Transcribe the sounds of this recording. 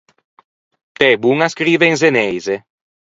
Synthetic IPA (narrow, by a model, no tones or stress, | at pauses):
t̪ɛbuŋaskɾiːveinzenɛjze